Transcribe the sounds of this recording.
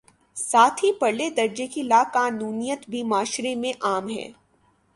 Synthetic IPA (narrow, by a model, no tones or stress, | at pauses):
saːt̪ʰɦipɐɽled̪ɐɾd͡ʒekilaːkaːnuːnijət̪bʱimaːʃɾemẽʔaːmɦɛ̰ː